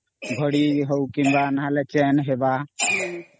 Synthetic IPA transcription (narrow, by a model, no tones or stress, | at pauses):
bʱəɽiɦɔwkimbanaɦalɛt͡ʃɛnɦeba